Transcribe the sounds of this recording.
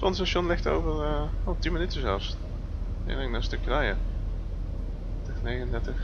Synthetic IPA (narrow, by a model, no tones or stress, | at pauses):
pɔndəstaʃjɔnlɪxto̰wvərəoːtinmənytəzɛlˠs | ɪ̰rɪŋdastøkjərɛjə | təxnejɣənəndɛɹtəx